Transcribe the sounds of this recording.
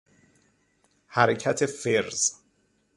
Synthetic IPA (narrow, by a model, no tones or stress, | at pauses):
hæɾecʰæt̪ʰefeɾz̥